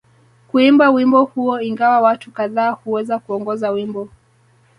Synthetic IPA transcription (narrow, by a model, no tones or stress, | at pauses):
kuimbawimbɔhuɔiŋɡawawatukaðaːhuwɛzakuɔŋɡɔzawimbɔ